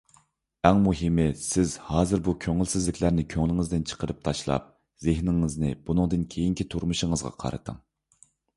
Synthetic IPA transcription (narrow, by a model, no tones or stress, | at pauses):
ɛŋmuɦɪmɪsɪzhɑːzɨɾbukʲʰøŋɪlsɪzlɪkʲlæɾnɪkʲʰøŋlˠɪŋɨzd̪ɪnt͡ʃʰə̥qəɾɨp̚t̪ʰɑʃlˠɑ̰p̚ | zɪhnɪŋɪznɪbunɨŋd̪ɨnkʲʰejiŋkʲʰit̪ʰuɾmuʃəŋəzʁɑ̰qʰɑ̰ɾɨ̰t̪ʰɨ̰ŋ